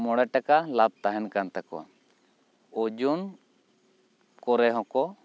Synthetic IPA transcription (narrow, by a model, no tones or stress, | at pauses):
mɔɽɛʈakalab̚t̪aɦɛnkant̪akɔ̰wa̰ | od͡ʒun | kɔɾɛɦɔ̃kɔ